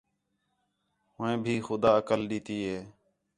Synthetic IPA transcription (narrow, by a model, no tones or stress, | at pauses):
ɦʊẽːbʱiːxʊd̪aːəkəlɗiːt̪iːɦeː